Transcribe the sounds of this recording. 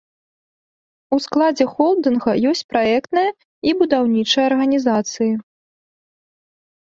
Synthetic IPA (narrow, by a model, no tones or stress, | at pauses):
usklˠad͡zʲɛxɔlˠd̪ɨnɣɐjɔsʲt͡sʲpɾaɛkt̪nɐjɐ | ibud̪awnʲit͡ʂɐjɐrɣɐnʲizat̪sɨji